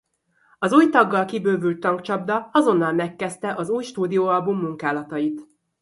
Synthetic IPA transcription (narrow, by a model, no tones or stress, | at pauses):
ɒzuːjt̪ɒɡːɒlkibøːvylt̪ːɒŋkt͡ʃɒb̚d̪ɒɒzo̞nːɒlmɛkːɛst̪ɛʔɒzuːjʃt̪uːd̪ijoːɒlbumːuŋkaːlɒt̪ɒjit̪